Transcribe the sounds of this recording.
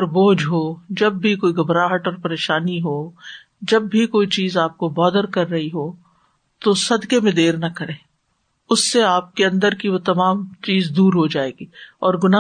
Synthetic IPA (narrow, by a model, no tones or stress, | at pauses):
ɾboːd͡ʒɦod͡ʒɐbːʱikoːiɡɐbɾaːɦəʈɔːɾpɐɾeːʃaːniɦoː | d͡ʒɐbːʱikoːit͡ʃiːzaːp̚kobɔːd̪əɾkɐɾːɐɦiɦoː | t̪osɐd̪kemẽd̪eːɾnɐkɐɾẽː | ʊsːeaːp̚keɐ̃nd̪əɾkiʋot̪ɐmaːmt͡ʃiːzd̪uːɾɦod͡ʒaːeːɡiːɔːɾɡʊnaː